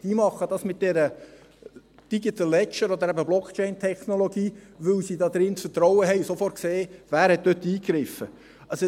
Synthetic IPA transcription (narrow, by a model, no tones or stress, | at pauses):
d̥imɑχːəd̥ɑsmɪt̚d̥ɛɾə | d̥iɡ̥it̪əlːɛt͡ʃəɾɔd̪əɾæbəblɔkʰt͡ʃɛɪntʰɛχnoloɡiːʋɵlsiːd̪ɑːd̪ɾɪntfətɾɔwəɦɛɪusofɔrt̚kseːvæːɾhɛt̚d̪øt̪ːiːkɾɪfə | ɑso